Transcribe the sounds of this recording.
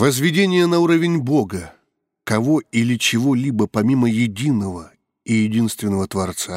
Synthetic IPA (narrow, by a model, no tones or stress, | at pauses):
vəzvʲɪdʲenʲɪjənɐuɾəvʲɪnʲbo̞ɡə | kɐvo̞ilʲɪt͡ɕɪvo̞lʲibəpɐmʲiməjɪdʲinəvə | ijɪdʲinst̪vʲɪnːəvət̪vɐrt̪sa